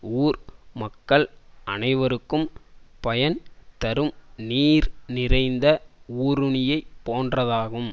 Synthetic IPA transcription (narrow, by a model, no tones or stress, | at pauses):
uːɾmɐkːɐɭɐnɐɪʋɐɾɯkːɯmpɐjɐnt̪ɐɾɯmniːɾnɪrɐɪnd̪ɐuːɾɯɳɪjɐɪpːoːndrɐðaːɣɯm